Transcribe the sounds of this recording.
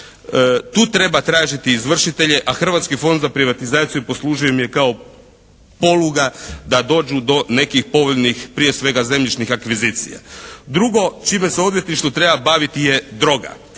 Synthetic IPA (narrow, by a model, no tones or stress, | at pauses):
t̪uːt̪ɾe̞bat̪ɾaːʒit̪iːzʋr̩ʃit̪e̞ʎe̞ʔaxr̩ʋat̪skifo̞nd̪zapɾiʋat̪izaːt̪sijupo̞slˠuːʒijo̞mije̞kao̞ | po̞luɡad̪ad̪o̞ːd͡ʒud̪o̞ne̞kixpo̞ʋoʎnixpɾije̞sʋe̞ɡaze̞mʎit͡ʃnixakʋiziːt̪sḭja̰d̪ɾuɡo̞t͡ʃiːme̞seo̞d̪je̞t̪niʃt̪ut̪ɾe̞babaʋit̪ije̞d̪ɾo̞ɡa̰